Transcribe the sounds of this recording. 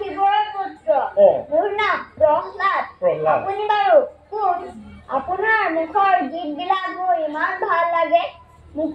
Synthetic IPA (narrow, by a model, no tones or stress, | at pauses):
ibɔɹɔmutɹɔmuɹnabɹɔŋlat̚apunibaɹukunapunaɹmukʰɔɹɡit̚bilaɦoimanbʱalːaɡɛ | mu